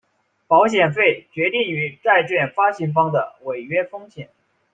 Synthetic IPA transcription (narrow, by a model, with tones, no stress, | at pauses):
pɑ˧˥ʊɕjɛ˨˩nfe˥˩ɪt͡ɕɥɛ˧˥t̪i˥˩ŋy˧˥t̪a˥˧ɪʈ͡ʂɥɛ˥˩nfa˥ɕi˧˥nfɑ˥ŋd̪ə˨we˨˩ɪɥɛ˥fɤ˥ŋɕjɛ˨˩˦n